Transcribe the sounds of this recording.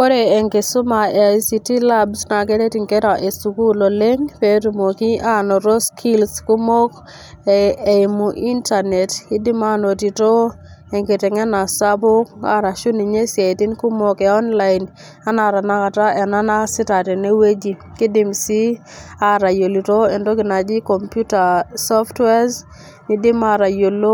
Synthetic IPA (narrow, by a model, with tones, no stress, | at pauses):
o˦ɾe˨e˨ŋke˨sʊ˦ma˨jsi˨˦ti˦la˦bsna˨ke˦ɾe˦ti˨ŋke˦ɾa˨ʔe˨su˨ku˦lo˨le˦ŋpe˦tu˨mo˨ki˦a˦˨nɔ˨ɾo˦skʰi˦lsku˦mo˦k | ɪ˨mu˨ʔi˦nta˨nɛ˨tkɪ˦dɪ˦ma˦no˨ti˨to˦ | e˨ŋɡe˨te˨ŋɛ˦na˨sa˦bo˦ka̰˦ɾa˨ʃu˦ni˨ɲe˦sja˨ti˦nku˦mo˦kɛ˨ɔ˦nla˦ɪn | a˦na˨ɾa˨na˦ka˨ta˦ʔɛ˨na˦na˦sɪ˦ta˨tɛ˨ne˦we˦d͡ʒi˨kɪ˦dɪ˦msi˦ | a˦ɾa˨jo˨li˨to˦e˨ndo˦kɪ˨na˨d͡ʒi˦kɔ˨mpju˦ta˨sɔ˦ftwɛ˦z | ni˦dɪ˦ma˦ɾa˨jo˨lo˦